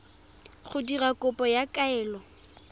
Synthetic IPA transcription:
χʊdirakʼʊpʼɔjakʼaɛːlɔ

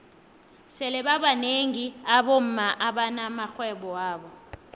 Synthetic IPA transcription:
sɛlɛɓaɓaneŋiaɓom̩maʔaɓanamaxwɛɓɔwaːɓɔ

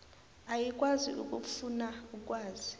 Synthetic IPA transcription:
ajik̬ʼwazḭʔṵk̬ʼufunauk̬ʼwaːzi

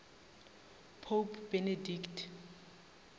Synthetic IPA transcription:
pʰopʰb̥enediktʰ

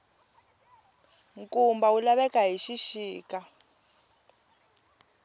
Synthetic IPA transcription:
ŋkʼumbawulaβɛkaɦiʃiʃiːka

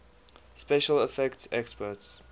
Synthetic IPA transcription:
spɛʃələfɛktsɛkspɔts

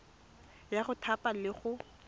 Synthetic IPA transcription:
jaχʊtʰapʼalɪχʊ

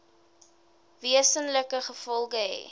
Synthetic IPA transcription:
viəsənləkəχəfɔlˠχəɦɛ̰

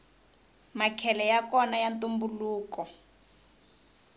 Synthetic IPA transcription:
makʰɛlɛjakɔnajantumbuluːkɔ

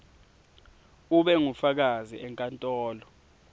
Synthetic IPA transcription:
uɓɛŋufak̬azḭʔɛŋkʼantʼɔːlɔ

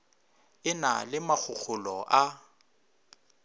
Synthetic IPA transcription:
ɪna̰lɪmak͡xʰʊk͡xʰʊlɔʔa

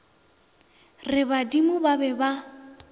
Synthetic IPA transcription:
rɪbadimʊbabɛba

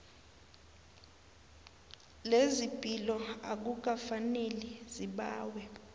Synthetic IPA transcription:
lezipʼilɔak̬uk̬afaneliziɓaːwɛ

